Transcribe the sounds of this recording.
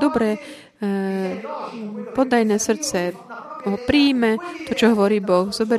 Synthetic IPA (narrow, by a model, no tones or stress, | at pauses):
d̪ɔbɾɛ | pɔd̪ajnɛːsr̩t̪t͡sɛɦɔpɾiːmɛt̪ɔt͡ʃɔɦɔʋɔɾiːbɔxzɔbɛɾ